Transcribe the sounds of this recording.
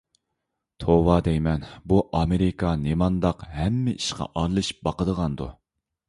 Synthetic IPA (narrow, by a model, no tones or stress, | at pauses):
t̪ʰowɑd̪ɛjmɛnbuʔɑmeɾɪkɑnemɑnd̪ɑqhɛmːɪʔiʃqɑ̰ʔɑɾlˠɨʃi̥pbɑqəd̪əʁɑnd̪ṵ